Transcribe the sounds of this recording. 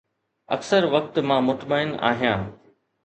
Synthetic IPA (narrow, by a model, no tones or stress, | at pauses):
ɐ̰ksəɾʋɐk̚t̪mãmʊt̪maːɪna̰ːɦijãː